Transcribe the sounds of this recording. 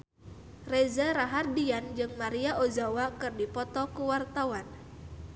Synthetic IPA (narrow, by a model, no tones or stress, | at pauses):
rezaɾaɦardiand͡ʒɨŋmaɾiaʔozawakɨrdipɔt̪ɔkuwart̪awan